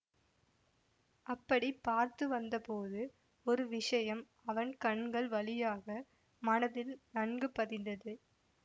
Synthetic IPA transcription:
ɐpːɐɽipːaːɾt̪ɯʋɐnd̪ɐpoːðɯ | ɔɾɯʋɪʂɐjɐm | ɐʋɐnkɐɳɡɐɭʋɐlɪjaːɣɐ | mɐnɐðɪlnɐɳɡɯpːɐðɪnd̪ɐðɯ

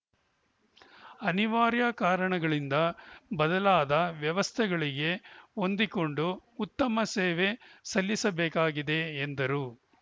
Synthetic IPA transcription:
ɐniʋaːɾjɐkaːɾɐɳɐɡɐɭind̪ɐbɐd̪ɐlaːd̪ɐʋjɐʋɐst̪ʰɛɡɐɭiɡe̞o̞nd̪iko̞ɳɖuut̪ːɐmɐseːʋe̞sɐlːisɐbeːkaːɡid̪e̞ːnd̪ɐɾu

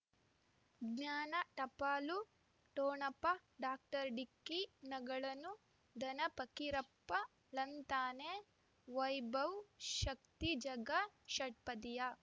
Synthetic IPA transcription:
ɡnaːnɐʈɐpaːlu | ʈoːɳɐpːɐɖaːk̚ʈɐɾɖikːinɐɡɐɭɐnu | d̪ɐnɐpɐkiɾɐpːɐ | lɐnt̪aːne | ʋɐjbɐwʃɐk̚t̪id͡ʒɐɡɐʃɐʈ̚pɐd̪ijɐ

